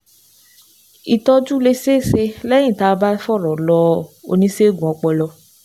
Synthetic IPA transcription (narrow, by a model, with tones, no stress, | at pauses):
i˨tɔ˧˦d͡ʒu˦le˧se˦˨se˧lɛ˦jĩ˦˨ta˧ba˦fɔ˦˨ɾɔ˨lɔ˧˦o̰˧nĩ˦se˦ɡũ˨ɔ˧k͡pɛ˧lɔ˧